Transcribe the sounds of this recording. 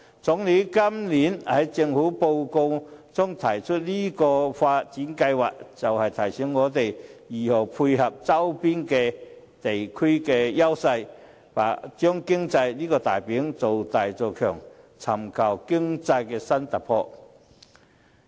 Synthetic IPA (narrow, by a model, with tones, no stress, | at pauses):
t͡sʊ˨˥ŋli˨˥kɐ˥mliː˨˥nhɐ˨˥jt͡sɪ˧ŋhuː˨˥po˧wko˧wt͡sʊ˥ŋt̪ʰɐ˨˩jt͡ʃʰɵ˥t̚liː˥kɔː˧faː˧t̚t͡siː˨˥nkɐ˧jwa̰ː˨k̚t͡sɐ˨whɐ˨jt̪ʰɐ˨˩jsɛ˨˥ŋːɔː˨˧t̪e˨jjiː˨ho˨˩wpʰuː˧jhɐ˨p̚t͡sɐ˥wpiː˥nkɛː˧ | t̪e˨jkʰi˥kɛː˧jɐ˥wsɐ˧j | paː˨˩t͡ʃœː˥ŋkɪ˥ŋt͡sɐ˧jliː˥kɔː˧t̪aː˨jpiː˨˥ŋt͡so˨˩wt̪aː˨jt͡so˨˧wkʰœ̰ː˨˩ŋ | t͡sʰɐ˨˩mkʰɐ˨˩wkɪ˥ŋt͡sɐ˧jkɛː˧sɐ˥nt̪ɐ˨˩pʰɔː˧